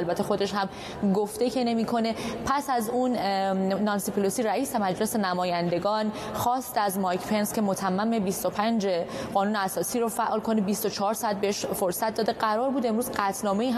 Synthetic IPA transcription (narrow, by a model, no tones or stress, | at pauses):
lbæt̪ʰːexo̞d̪e̞ʃhæm | ɡoft̪e̞cʰe̞ne̞miːkʰo̞ne̞pʰæsæzunː | ɒnsipʰolosiɾæiːse̞mæd͡ʒle̞se̞næmɒːjænd̪e̞ɡɒːn | xɒːst̪eæzmɒjcʰpʰe̞nscʲʰe̞mot̪ʰæmːæmebist̪o̞pʰænd͡ʒe̞ɢɒːnuːneæsɒːsiːɾofæʔɒːlkʰonebist̪o̞t͡ʃʰɒɦɒɾsɒæt̪̚beeʃfo̞ɾsæt̪̚d̪ɒːd̪e̞ɢæɾɒːɾbuːd̪e̞mɾuːzɢæt̪ʰnɒːme̞iːɦ